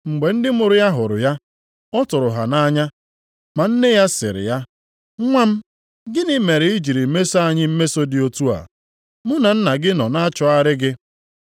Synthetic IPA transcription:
ŋ͡m̩˨ɡ͡be˨n̩˦dɪ˦mʊ˨ɾʊ˦ja˦ɦʊ˨ɾʊ̰˨ja˦ | ɔ˦tʊ˨ɾʊ˨ɦa̰˨na˦ɲa˦ | ma˨n̩˦ne˦ja˦sɪ̰˨ɾɪ̰˨ja˦ | ŋʷa˦m̩˦ | ɡɪ˦nɪ˦me˨ɾɪ˨i˦d͡ʒi˨ɾi˨˦me˦so˦a˦ɲɪ˦m̩˦me˦so˦dɪ˨o˦tu˦a̰˨ | mʊ˦na˨n̩˦na˨ɡɪ˦nɔ˨na˦t͡ʃɔ˦a˦ɾɪ˦ɡɪ˦

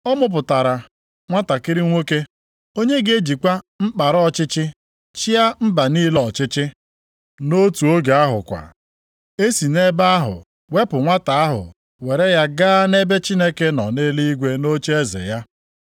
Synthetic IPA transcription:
ɔ˦mʊ˦p̬ʊ˨ta˨ɾa˨ | ŋʷa˦ta˨kɪ˦ɾɪ˦ŋʷo˦ke˦ | o˦ɲe˦ɡe˦d͡ʒi˨kʷa˦m̩˦k͡pa˨ɾɔ˦t͡ʃɪ˦t͡ʃɪ˦ | t͡ʃi˦a˦m̩˦ba˨niː˦lɔ˦˨t͡ʃɪ˦t͡ʃɪ˦ | no˦tu˨o˦ɡe˨a˦ɦʊ̰˨kʷa̰˨ | e˦si˨ne˦ba˦a˦ɦʊ̰˨ | we˦pʊ˨ŋʷa˦ta˨a˦ɦʊ̰˨ | we˨ɾe˦ja˦ɡaː˦ne˦be˦t͡ʃi˦ne˦ke˦nɔ˨ne˦li˦ɡʷe˦no˦t͡ʃe˦zḛ˨ja˦

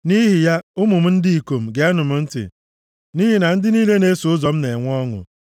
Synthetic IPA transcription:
ni˦ɦi˨ja˦ʊ˦mʊ˨m̩˦n̩˦di˦i˨ko˨m̩˨ɡe˨a˦nʊ˨m̩˨n̩˦tɪ̰˨ | ni˦ɦi˨na˨n̩˦dɪ˦niː˦le˦ne˦so˨ʊ˦zɔ˨m̩˦ne˨ŋʷ˦ɔ˦ŋʊ̰˨

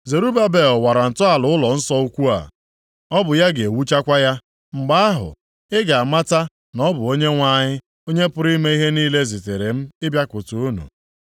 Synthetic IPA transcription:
ze˨ɾu˦ba˦be˨ɔ˨wa˨ɾa˨n̩˨tʊ˦a˨lʊ˨˦ʊ˦lɔ˨n̩˦sɔ˦u˦kʷu˦a̰˨ | ɔ˦bʊ˨ja˦ɡe˨wu˦t͡ʃa˦kʷa˦ja˦ | ŋ͡m̩˨ɡ͡ba˦a˦ɦʊ̰˨ | ɪ˦ɡa˨a˨ma˦ta˦ | nɔ˦bʊ˨o˦ɲe˦ŋʷa˦ɲɪ˦ | o˦ɲe˦pʊ˦ɾi˦me˦i˦ɦe˦niː˦le˦zi˨te˨ɾe˨m̩˦ɪ˦bja˦kʷʊ˨tʊ˨u˦nṵ˨

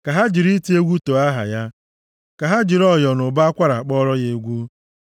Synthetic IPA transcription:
ka˨ɦa˦d͡ʒi˨ɾi˦ti˦e˦ɡʷu˦to˨a˦ɦa̰˨ja˦ | ka˨ɦa˦d͡ʒi˨ɾɔ˦˨jɔ˨nʊ˨ba˦a˦kʷa˦ɾa˨a˨k͡pɔ˦ɾɔ˦ɣe˨˦ɡʷu˦

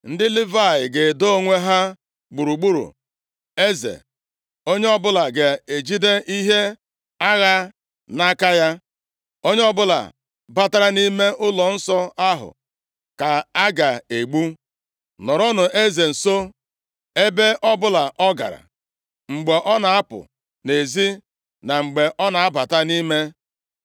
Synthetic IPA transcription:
n̩˦dɪ˦lɪ˦va˦˨jɪ˨ɡe˨do˦o˦ŋʷe˦ɦa˦ | ɡ͡bu˨ɾu˨ɡ͡bu˦ɾṵ˨ | e˦zḛ˨ | o˦ɲe˦ɔ˦bʊ˦la˨ɡe˨e˨d͡ʒi˦de˦ʔi˦ɦe˦ | a˦ɣa˦ | na˦ka˦ja˦ | o˦ɲe˦ɔ˦bʊ˦la̰˨ | ba˦ta˦ɾa˦ni˦me˦ʔʊ˦lɔ˨n̩˦sɔ˦a˦ɦʊ̰˨ | ka˨a˦ɡa˨e˨ɡ͡bu˦ | nɔ˨ɾɔ˦nʊ˨ʔe˦ze˨n̩˨so˦ | e˦be˦ʔɔ˦bʊ˦la˨ʔɔ˦ɡa̰˨ɾa̰˨ | ŋ͡m̩˨ɡ͡be˨ʔɔ˦na˨a˦pʊ̰˨ | ne˨zi˦ | na˨ŋ͡m̩˨ɡ͡be˨ʔɔ˦na˨a˦ba˨ta˦ni˦me˦

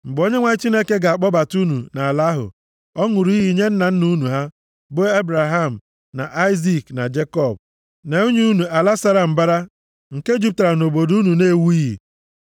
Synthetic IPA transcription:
ŋ͡m̩˨ɡ͡bo˦ɲe˦ŋʷa˦t͡ʃi˦ne˦ke˦ɡa˨a˨k͡pɔ˦ba˨tu˦nu˨na˨la˦ɦʊ̰˨ | ɔ˦ŋʊ˨ɾi˦ɦi˦˨˦ɲe˦n̩˦na˨n̩˦nu˦nu˨ɦa˦ | bo˦e˦bɾa˨ɦa˦˨m̩˨ | na̰˨ʔa˦ɪ˦zi˦kna̰˨d͡ʒe˦kɔ˦˨b̚ | ne˨u˦ɲu˦u˦nu˨a˨la˦sa˦ɾa˨m̩˨ba˦ɾa˦ | ŋ̩˨ke˦d͡ʒu˦p̚ta˨ɾa˨no˨bo˨du˦nu˨ne˦˨wu˦i˦ɦḭ˨

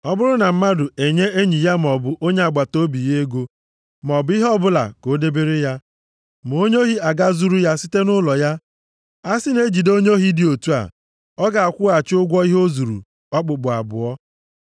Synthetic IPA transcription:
ɔ˦bʊ˦ɾʊ˦na˨m̩˦ma˦dʊ˨e˨ɲe˦e˦ɲi˨ja˦m˨ɔ˨bʊ˨ʔo˦ɲe˦a˨ɡ͡ba˨to˦bi˨je˦ɡo˦ | m˨ɔ˨bʊ˦i˦ɦɔ˦bʊ˦la̰˨ko˨˦de˦be˦ɾi˦ja˦ | m˨o˦ɲo˦ɦi˦a˨ɡa˦zu˦ɾu˦ja˦si˦te˦nʊ˦lɔ˨ja˦ | a˦sɪ˦ne˦d͡ʒi˨do˦ɲo˦ɦi˦di˨o˨tu˦a̰˨ | ɔ˦ɡa˨a˨kʷʊ˦a˨t͡ʃʊ˦ɡʷɔ˦i˦ɦo˦zu˨ɾṵ˨ | ɔ˦k͡pʊ˨k͡pʊ˨a̰˨bʊ̰˨ɔ˦

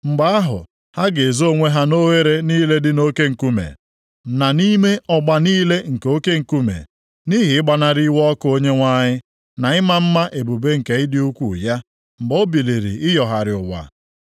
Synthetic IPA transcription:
ŋ͡m̩˨ɡ͡ba˨a˦ɦʊ̰˨ | ha˦ɡe˨zo˦˨ŋʷe˦ɦa˦no˦we˦ɾe˦niː˦le˦dɪ˦no˦ke˦ŋ̩˨ku˦mḛ˨ | na˨ni˦me˦ʔɔ˦ɡ͡ba˨niː˦le˦ŋ̩˨ko˦ke˦ŋ̩˨ku˦mḛ˨ | ni˦ɦɪ˨ɪ˦ɡ͡ba˨na˨ɾi˦wɔ˦kʊ˦o˦ɲe˦ŋʷa˦ɲɪ˦ | na˨ɪ˦ma˦m̩˦ma˦ʔe˨bu˨be˦ŋ̩˨ke˨ɪ˦dɪ˦u˦kʷṵ˨ja˦ | m̩˨ɡ͡bɔ˦bi˨li˨ɾḭ˨ʔɪ˦jɔ˨ɦa˨ɾɪ˨ʊ˨wa̰˨

